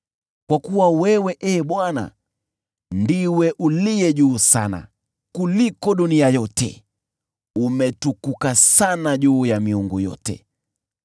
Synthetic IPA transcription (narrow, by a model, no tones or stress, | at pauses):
kwakuwawɛwɛʔɛːɓwana̰ | ndiwɛʔulijɛʄuːsana̰ | kulikɔɗuniajɔtɛ̰ | umɛtukukasanaʄuːjamiuŋɡujɔ̰tɛ̰